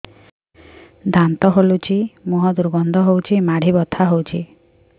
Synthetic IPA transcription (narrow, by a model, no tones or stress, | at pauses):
d̪ʱant̪ɔɦolut͡ʃʰimuɦɔd̪uɾbɔnd̪ʱɔɦowt͡ʃʰimaɽ̤ibɔt̪ʰaɦowt͡ʃʰi